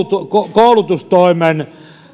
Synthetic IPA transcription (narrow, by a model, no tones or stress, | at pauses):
t̪ukokoˑulut̪ust̪oimen